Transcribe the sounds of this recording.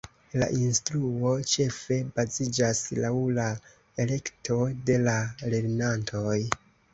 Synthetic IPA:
la̰ʔinstɾuo̞t͡ʃe̞fe̞bazid͡ʒaslawla | e̞le̞ktʰo̞de̞lale̞ɾnantʰo̞j

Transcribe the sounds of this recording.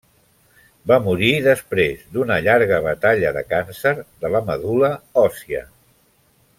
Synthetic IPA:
bamuɾiðəspɾezd̪unəʎaɾɣ̞əβ̞ət̪aʎəðə̰kansəɾðələməðuləɔsiə̰

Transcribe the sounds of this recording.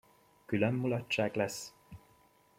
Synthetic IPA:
kylømːulɒt͡ʃːaːklɛs

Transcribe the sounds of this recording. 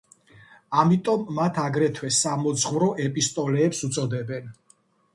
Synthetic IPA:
amit̪ʼɔmːat̪ʰaɡɾɛt̪ʰwɛsamɔd̪zʁvɾɔʔɛpʼist̪ʼɔlɛːpsut̪sʼɔd̪ɛbɛn

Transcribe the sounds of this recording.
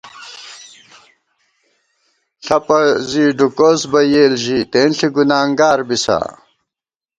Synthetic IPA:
ɬɐpɐziːɖukoːsbɐjeːlʑit̪eːnɬiɡunaːŋɡaːɾbisa̰

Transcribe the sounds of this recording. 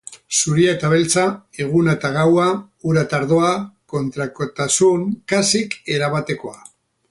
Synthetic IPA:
suɾiaet̪aβ̞e̞lt͡sae̞ɣ̞unaet̪aɣawa | uɾat̪aɾðo̞ako̞nt̪ɾakot̪asuŋkasike̞ɾaβat̪e̞ko̞a

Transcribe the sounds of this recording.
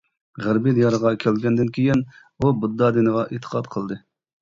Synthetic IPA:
ʁæɾbid̪jɑɾəʁɑkʲʰɛlɡʲɛnd̪ɪnkʲʰijɪn | ubud̪ːɑd̪ɪnəʁɑʔit̪ʰːə̥qʰɑt̪qʰəlˠd̪ɨ

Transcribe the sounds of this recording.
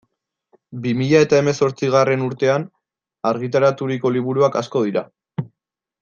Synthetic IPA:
bimiʎae̞t̪ae̞me̞so̞ɾt͡siɣ̞are̞nuɾt̪e̞an | aɾɣ̞it̪̬aɾat̪uɾiko̞liβuɾuakasko̞ðiɾa

